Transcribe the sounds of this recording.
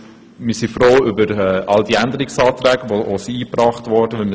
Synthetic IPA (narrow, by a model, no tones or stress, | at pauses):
mɪsifɾoːʏbəɾɛːɑldiændəɾiksɑːtɾɛːɡəʋoʔosiiːpɾɑːχtʋɔɾd̥əʋɪlm